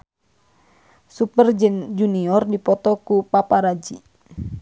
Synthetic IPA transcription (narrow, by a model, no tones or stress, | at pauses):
supərd͡ʒd͡ʒuniɔrdipɔt̪ɔkupapaɾad͡ʒi